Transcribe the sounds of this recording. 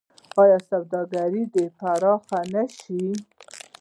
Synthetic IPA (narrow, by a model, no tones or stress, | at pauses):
ɑjɑsawd̪ɑɡaɾid̪əpaɾɑxanaʃi